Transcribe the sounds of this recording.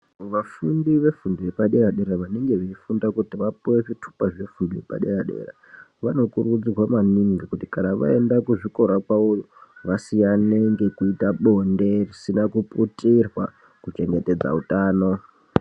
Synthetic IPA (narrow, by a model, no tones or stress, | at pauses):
ʋafundiʋe̞fundujepaɗeɾaɗe̞ɾaʋane̞ŋɡe̞ʋeifundakutiʋapoweʐitʰu̥paʐe̞fundijepa̰ɗeraɗe̞̰ːra̰ | ʋano̞kuɾuud͡zirwamaniŋɡikuti̥kanaʋa̰e̞ndakuʐiko̞ɾakwauju | ʋasianeŋɡe̞kuitaɓo̞nde̞risinakupʼutirwa̰ | kut͡ʃe̞ŋɡe̞te̞d͡za̰utaːno̞